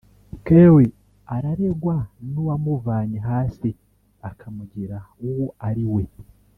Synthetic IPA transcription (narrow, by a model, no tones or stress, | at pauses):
kewe | aɾaɾe̞ɡwanuwamuvaːɲiɦaːsi | akʰamuɟiɾauwuaɾiwe̞